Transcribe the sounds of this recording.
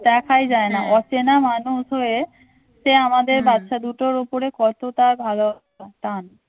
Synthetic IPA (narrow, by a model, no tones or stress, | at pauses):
d̪ɛkʰajd͡ʑaenaʔɔt͡ɕenamanuʃɦoe | ʃeamad̪eɾbat̪ːʃad̪uʈoɾupoɾekɔt̪ot̪abʱalo | at̪an